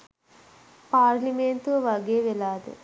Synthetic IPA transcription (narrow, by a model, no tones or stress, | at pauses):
paːɾliment̪uʋɐɡeːʋelaːd̪ḛ